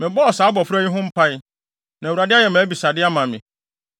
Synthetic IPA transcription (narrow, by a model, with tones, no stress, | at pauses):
mɪ̃˨bɔ˦ɔ˨saː˨˦bɔ˨fɾa˦ɲĩ˦ɦʊ̃˦m̩˦pʰa˦ɪ˦ | nã˨wu˨ɾa˨dɪ˦a˦jɛ˨mɛ̃˨˦bi˨sa˨dɪ˦a˦mã˨mɪ̃˨